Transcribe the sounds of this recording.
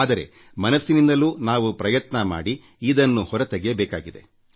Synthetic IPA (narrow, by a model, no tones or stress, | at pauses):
aːd̪ɐɾe̞̰ | mɐnɐsːinind̪ɐluːnaːʋupɾɐjɐt̪nɐma̰ːɽi | iːd̪ɐnːuhɔɾɐt̪eɡɛjɐbɛːka̰ːɡid̪e̞̰